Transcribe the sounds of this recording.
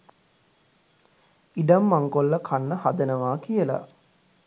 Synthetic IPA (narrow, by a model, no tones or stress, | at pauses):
iɖamːaŋkolːəkʰanːəhad̪ənəʋaːkijəla̰